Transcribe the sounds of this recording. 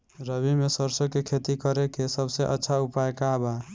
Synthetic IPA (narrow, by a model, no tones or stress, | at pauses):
ɾəbimesəɾsokekʰet̪ikʌɾekesəbseʔə̰tːʃʰaupaekaba